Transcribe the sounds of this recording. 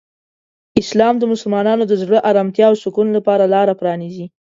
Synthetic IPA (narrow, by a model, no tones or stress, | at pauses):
ɪslɑmd̪əmʊsʊlmɑnɑnod̪əzɽəʔɑɾɑmt̪jɑwsʊkunlapɑɾalɑɾapɾɑnizi